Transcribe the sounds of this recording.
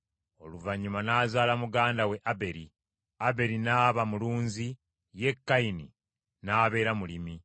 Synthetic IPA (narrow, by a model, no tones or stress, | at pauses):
o̞luvaɲːumanaːzaːlamuɡaːndawe̞ʔabe̞ɾi | abe̞ɾinaːβamuluːnzi | je̞kːajinḭ | naːβe̞ːɾamulimi